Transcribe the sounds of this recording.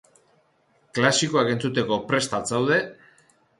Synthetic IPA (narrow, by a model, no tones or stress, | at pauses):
klasiko̞ake̞nt͡sut̪e̞ko̞pɾe̞st̪at͡sawð̞e̞